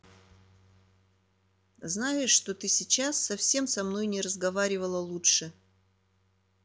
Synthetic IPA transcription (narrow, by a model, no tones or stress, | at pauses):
znajɪʂːt̪o̞t̪ɨsʲɪt͡ɕasːɐfsʲe̞msɐmno̞jnʲɪɾəzɡɐvaɾʲɪvəlˠəlˠutʂɨ